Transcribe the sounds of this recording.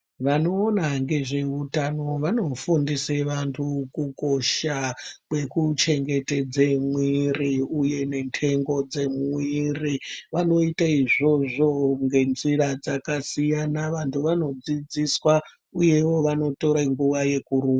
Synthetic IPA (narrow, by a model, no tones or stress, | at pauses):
ʋano̞ːnaŋɡe̞ʐeutano̞ʋano̞fundiseʋantʰukuko̞ʃakwe̞kut͡ʃe̞ŋɡe̞te̞d͡zemwiriuje̞ne̞ntʰe̞ŋɡo̞d͡ze̞mwwiriʋano̞itaiʐo̞ʐo̞ŋɡe̞nziɾad͡zakasijanaʋantʰuʋano̞d͡zid͡ziswa | uje̞wo̞ʋano̞to̞ɾaŋɡuʋaje̞kuɾuːa